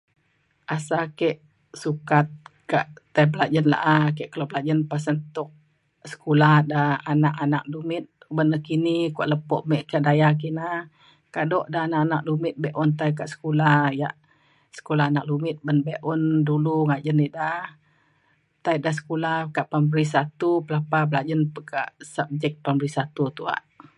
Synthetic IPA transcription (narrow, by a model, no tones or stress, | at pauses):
ʔasakɛʔ | sukat̪̚kaʔːaiblad͡ʒənla̰ʔak̬ɛʔkəlobəlad͡ʒənpasənt̪ʊk̚ | sə̥kulahdaanaʔanak̚dumɪt̪̚ | bənəkinikuaʔləpɔʔmɛʔkaʔdajak̬ina | kadɔʔdaɦanaʔanak̚dumɪt̪̚bɛʔɔnt̪ajk̬aʔsə̥kulahjaʔ | sə̥kulaɦanak̚lumɪt̪̚bənbeʔɔnduluŋad͡ʒənidah | t̪aidahs̬ə̥kulahkaʔpambɾis̬at̪upəlapabəlad͡ʒənpəkaʔsab̚d͡ʒɛk̪̚pambəɾisat̪ut̪ua̰ʔ